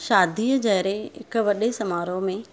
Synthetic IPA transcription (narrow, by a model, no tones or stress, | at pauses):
ʃaːd̪ʱiːəd͡ʑɐɦɪɾeɪ̰kʋɐɗesɐmaːɾomẽ